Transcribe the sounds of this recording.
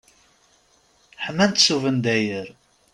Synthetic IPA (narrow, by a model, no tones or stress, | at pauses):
ħəmːænt̪suvənd̪æjəɾ